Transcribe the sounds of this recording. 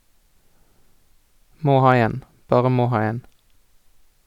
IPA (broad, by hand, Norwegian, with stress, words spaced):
ˈmoː ˈhɑː ˈeːn ˈbɑːʁə ˈmoː ˈhɑː ˈeːn